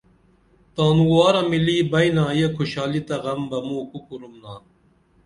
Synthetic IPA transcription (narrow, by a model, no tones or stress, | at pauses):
t̪aːnuwɑːɾɐmiliːbɐjnaːjekʰuɕɑːlit̪ɐɣɐmbɐmuːkukuɾumnaː